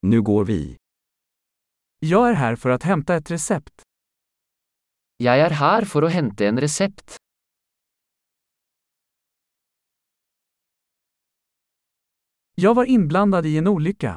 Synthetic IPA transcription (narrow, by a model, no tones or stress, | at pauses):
nʉ̟ːɡoːɾvḭ | jɑːɡæːɾɦæːɾfœɾat̪hɛmt̪aɛt̪ɾɛsɛpt̪ | jæɪæːɾhæːɾfɔɾoːhɛnt̪əeːnɾɛsɛpt̪ | jɑːɡvɑːɾɪnbland̪ad̪iːeːnuːlʏkːa̰